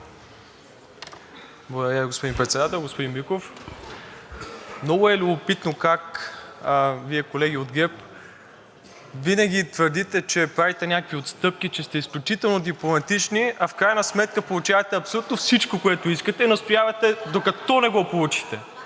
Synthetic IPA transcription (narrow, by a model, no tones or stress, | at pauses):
blˠɐɡd̪ɐɾaviɡospod̪inpɾɛt̪sɛd̪at̪ɛlˠɡospod̪inbikof | mnɔɡʊɛlʲubopit̪nokak | viɛkolɛɡʲiod̪ɡɛp | vinɐɡ̟ʲit̪vəɾd̪it̪ɛt͡ʃɛpɾavit̪ɛnʲakəkviot̪st̪ɤp̚k̟it͡ʃɛst̪ɛisklʲut͡ʃit̪ɛlˠnod̪iplˠomɐt̪it͡ʃniɐfkɾajnɐsmɛt̪̚kəpolˠut͡ʃavɐt̪ɛɐpsolʲut̪nofsit͡ʃkokoɛt̪oiskət̪ɛinɐst̪ojavɐt̪ɛd̪okɐt̪ɔnɛɡɔpolˠut͡ʃi̥t̪ɛ